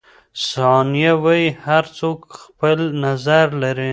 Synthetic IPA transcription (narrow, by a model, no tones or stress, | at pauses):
sɑnijawajihaɾt͡sokxpəlnazaɾlaɾi